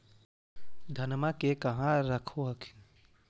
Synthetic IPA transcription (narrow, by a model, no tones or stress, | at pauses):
d̪ʱənmakekɐɦãɾəkʰoɦəkʰɪ̥n